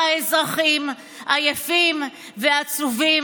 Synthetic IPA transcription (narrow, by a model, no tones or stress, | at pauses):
aezʁaχim | ʔajafim | veat͡suvi